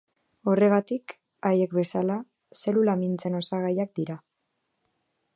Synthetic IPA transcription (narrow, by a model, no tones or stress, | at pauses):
o̞re̞ɣ̞at̪ik | aje̞kbe̞sala | se̞lulamint͡se̞no̞saɣ̞ajak̚d̪iɾa